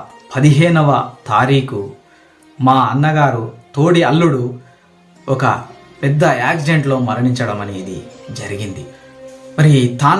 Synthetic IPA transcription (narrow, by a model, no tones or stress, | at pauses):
pɐd̪iɦɛːnɐʋɐt̪aːɾiːku | maːɐnːɐɡaːɾut̪oːɽiɐlːuɽu | ɔkɐ̰ | pɛd̪ːɐaːkd͡ʒeɳʈlo̞ːmɐɾɐɳiɲt͡ʃɐɽɐmɐniːd̪id͡ʒɐɾiɡind̪i | mɐɾit̪aːn